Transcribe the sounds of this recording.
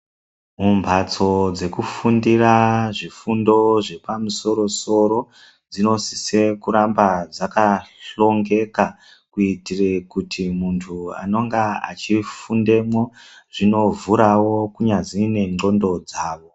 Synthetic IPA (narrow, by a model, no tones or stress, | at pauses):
mumbʱat͡so̞d͡ze̞kufundiraʐifundo̞ʐe̞pamuso̞ɾo̞so̞ɾo | d͡zino̞sise̞kuɾambad͡zakaɬo̞ŋɡe̞ka | kuitire̞kutʰimuntʰua̰no̞ŋɡaa̰t͡ʃifunde̞mwoʐino̞vuɾawo̞kuɲad͡zine̞ŋ͡ǃo̞ndo̞d͡zaːʋo̞